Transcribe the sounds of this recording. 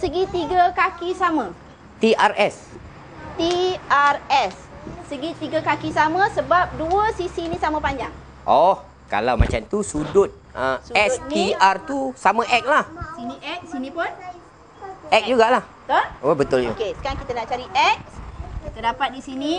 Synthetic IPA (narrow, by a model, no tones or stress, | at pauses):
səɡit̪iɡəkakisamə̃ | t̪iʔarɛs | t̪iarɛsː | əɡit̪iɡəkakisamə̃səbap̚duəsisinĩsamãpaɲd͡ʒaŋ | ʔɔh | ka̰lawma̰t͡ʃa̰mt̪usudʊt̪̚əsuɛs̚niiart̪usamə̃ʔɛk̚lahsiniʔɛk̚sinĩpʊn | ʔɛk̚d͡ʒuɡaʔlah | t̪oobət̪ʊld͡ʒuokesə̥kaɾaŋkit̪anaʔt͡ʃaɾiʔɛk̚kit̪ədapat̪̚disinĩ